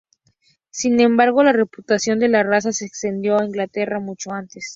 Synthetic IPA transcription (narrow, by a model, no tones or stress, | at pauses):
sinẽ̞mbaɾɣ̞o̞lare̞put̪asjo̞nd̪e̞larasaseːkst̪e̞nd̪jo̞aiŋɡlat̪e̞ramut͡ʃo̞ant̪e̞s